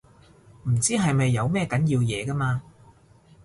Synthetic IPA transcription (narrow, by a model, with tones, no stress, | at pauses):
m̩˨˩t͡siː˥ɦɐ˨jmɐ˨jːɐ˨˧wmɛː˥kɐ˨˥njiː˧wjɛ̰ː˨˧kaː˥maː˧